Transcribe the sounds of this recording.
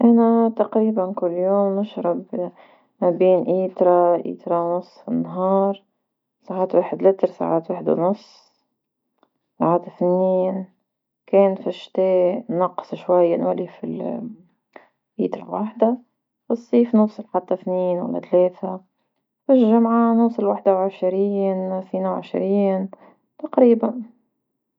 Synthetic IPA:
ʔanat̪ɑqɾiːbankʊlːjoːmːɪʃɾɑb | mabiːnʔiːt̪ɾˤɑʔḭːt̪ɾˤɑwnʊsˤːfinːɦɑːɾˤ | saʕaːt̪waːħɪd̪lɪt̪ɾsa̰ʕaːt̪waːħɪd̪w̰nʊsˤː | saʕaːt̪aθnːiːn | keːnfɪʃt̪eːnɑqːsˤʃwajːanwalifil | ʔḭːt̪ɾɑ̰waːħd̪a | fɑsˤːiːfnʊsˤɪlħat̪ːaθniːnwa̰lːa̰t̪leːθa | fɪʒamʕanʊsˤɪlwaːħd̪awʕɪʃɾiːnθiːnawʕɪ̰ʃɾiːn | t̪aqɾiːban

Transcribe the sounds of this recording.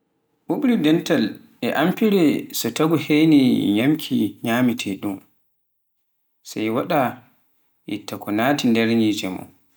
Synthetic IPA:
ɓuɓɾidɛntal | ɛʔampiɾɛsɔtaɡuhejniɲamkʰiɲaːmitʰɛɗum | sajwaɗa | ʔɛ̰tːakɔnaːtindɛɾɲid͡ʒɛmɔ̰

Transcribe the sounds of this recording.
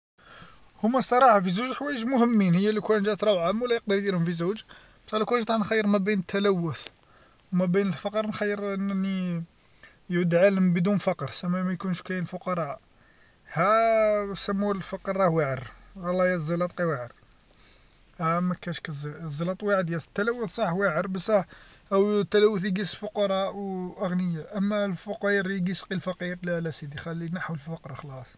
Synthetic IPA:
hʊmːæsˤɑɾˤɑħafizuʒħwæjəʒmʊhəmːinhəjːælikwænʒæt̪ɾˤɑwʕæmːwlæjəq̚d̪əɾˤjd̪iɾhʊmfizuwʒ | bt̪ælːækwænʒt̪ˤɑnxæjːəɾmæbinət̪ːælæwːʊθ | wmæbinəlfɑqəɾˤnxæjːəɾʔənnːi | jʕud̪ʕaləmbəd̪unfɑqɾsæmæmæjkunʃkæənlfʊqɑɾˤɑʔ | hæ | sæmːulfɑqəɾˤːɑhwaʕəɾwɑlːɑjæzɑlɑt̪̚ˤqiwaʕəɾ | hæmækæʃkæzzːˤɑlɑt̪ˤwaʕəd̪jæsə̥t̪ːælæwːəθsˤɑħwaʕəɾbəsˤɑħʔæwt̪ːælæwːəθəɡisfʊqɑɾˤɑʔwʔəɣnəjːaʔəmːælfʊqiɾjɡisqilfɑqiɾlælæsid̪ixælːinəħwəlffɑqɾˤxlɑsˤ

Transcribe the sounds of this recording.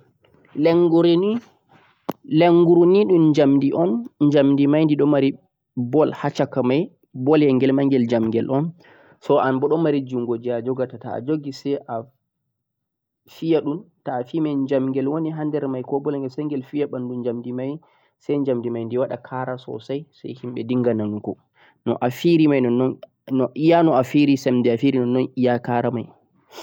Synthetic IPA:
lɛŋɡuɾni | leŋɡuɾuniɗumɲd͡ʒamdiʔɔnɲd͡ʒamndimajndiɗɔmaɾi | bɔlhat͡ʃakamaj | bɔljɛŋɡɛlmaŋɡɛld͡ʒamɡɛlʔɔn | sɔʔanbɔɗɔmaɾid͡ʒuŋɡod͡ʒiad͡ʒɔɡatata̰ːd͡ʒoɡisɛʔa | fijaɗuntaːfimajɲd͡ʒamŋɡɛlwoniɦandɛɾmajkɔbɔlɛŋɡɛlsɛŋɡɛlfijaɓandund͡ʒamdimaj | sajɲd͡ʒamdimajndiwaɗakʰaɾasɔ̰sajsa̰jhimɓɛdiŋɡananukɔ | nɔʔafiɾimajnɔnːɔn | ɔʔijanɔafiɾisɛmdɛafiɾinɔnːɔnijakaɾamaj

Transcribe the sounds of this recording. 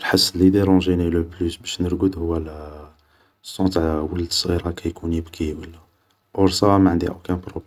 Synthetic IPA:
ɾħəsːəllid̪eɾɑ̃ʒiniləplysbæʃnəɾɡud̪hʊwːæl | əsːɑ̃t̪ʕwəld̪əsˤɣiɾɑkæjkunibkiwəlːæ | ʔoɾsæwamæʕənd̪iʔokæ̃pɾob

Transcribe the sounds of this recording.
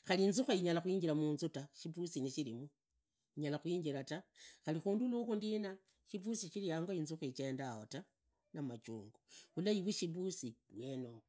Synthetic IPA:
xaliːnzuxaiɲalaxwiːɲɟilamuːnzutaʃiβusiniʃilimu | iɲalaxwiːɲɡiɾataxalixuːndulukundina | ʃiβusiʃilijaːŋɡoinzuxet͡ʃendaho̰ta | namat͡ʃṵːŋɡoulaiβwiʃiβusiβweno

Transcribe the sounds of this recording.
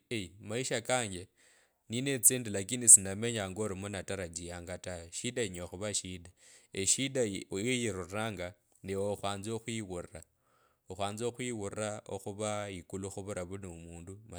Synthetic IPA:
eimaiʃakaːɲɡe | ninet͡siːndilakinisinameɲaŋɡoɾimonataɾad͡ʒijaːŋɡataweʃidaiɲoxuβaʃidaeʃidajojiɾurraːŋɡa | niwoxwaːnzoxwiwurra | oxwaːnzo̞xwiwurao̰xuβaikuluxuβuɾaβunumuːnduma

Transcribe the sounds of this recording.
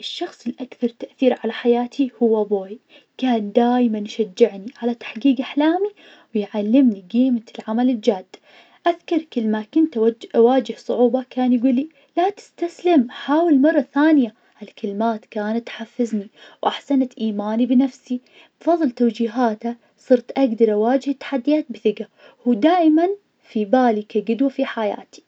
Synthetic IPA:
ʔɪʃːɑxsˤɪlʔakθɑɾˤt̪aʔθiːɾʕalaħajaːt̪ʰihʊwːaboːj | kaːnd̪aːjmanʃad͡ʒːɪʕniʕalat̪ḁħɡiːɡʔaħlaːmi | wɪjʕalːɪmniɡiːmalʕamalɪld͡ʒaːd̪̥ː | ʔaðkɑɾˤkɪlːmakʊnt̪waːd͡ʒɪhsˤʊʕuːbɑkaːnjɡuːlːi | lat̪ɪ̥st̪aslɪmħaːwɪlmɑrˤːɑθaːnɪja | halkɪlɪmaːt̪kaːnat̪ːħafːɪzniwʔaħsanat̪ʔiːmaːnibɪnafsi | bfɑðˤːɨlt̪awd͡ʒiːɦaːt̪a | sˤɨɾt̪ʔaɡd̪ɑɾˤʔawaːd͡ʒɪht̪ːḁħad̪ːijaːt̪̚bɪθɪɡa | huːd̪aːʔɪman | fibaːlikaɡʊd̪wafiħaja̰ːt̪i̥

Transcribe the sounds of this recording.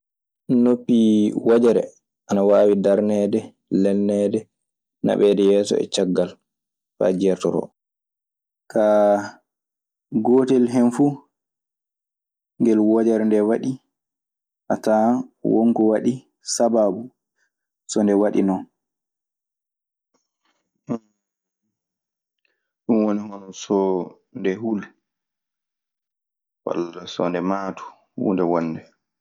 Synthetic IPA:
nopːiwad͡ʒɛɾɛ̰ | ʔanawaːwidaɾnɛdɛ | lɛnːɛdɛ | na̰ɓɛdɛjɛːsɔ̰ɛ̰t͡ʃaɡːal | fa̰d͡ʒɛɾtɔɾɔ̰ | ka | ɡoːtɛlɦɛnfu | ŋɡɛlwɔd͡ʒɛɾndɛwaɗi | ʔatawo̰ŋkɔwaɗi | sababu | sɔndɛwaɗḭnɔn | ɗunwonihɔnɔsɔ | ndɛɦul | wa̰lːasɔ̰ndɛmaːtʰu̥ | hṵndɛwɔnːdɛ

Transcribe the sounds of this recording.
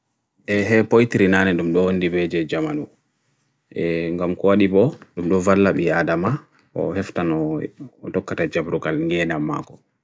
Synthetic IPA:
ʔɛɦɛpojtiɾinaːnɛɗumɗɔwondibɛd͡ʒɛd͡ʒamanu | ʔɛŋɡamkɔwaɗibɔɗumɗɔvalːaɓiadama | ɔ̰hɛftanɔtɔkːatad͡ʒabɾukalŋɡɛnamːa̰kɔ̥

